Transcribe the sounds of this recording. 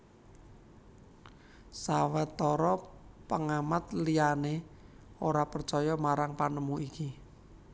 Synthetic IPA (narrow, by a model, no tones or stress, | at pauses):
sawət̪ːɔɾɔ | pəŋamat̪liane | oɾapərt͡ʃɔjɔmaɾaŋpanəmuʔiki